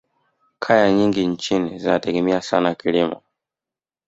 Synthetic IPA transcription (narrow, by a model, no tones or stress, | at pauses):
kʰajaɲiŋɡiɲt͡ʃinizinatɛɡɛmiasanakilimɔ̰